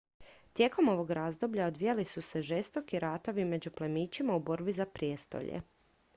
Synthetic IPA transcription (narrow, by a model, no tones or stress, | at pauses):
t̪je̞ko̞mo̞ʋo̞ɡɾaːzd̪o̞bʎaod̪ʋijalisuse̞ʒe̞st̪o̞kiɾaːt̪o̞ʋime̞d͡ʑuplemiːt͡ɕimaubo̞ɾbizapɾijest̪o̞̰ʎḛ